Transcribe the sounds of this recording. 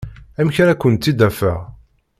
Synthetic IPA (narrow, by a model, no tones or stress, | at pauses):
æmçænækʷːənt̪ːid̪æfæʁ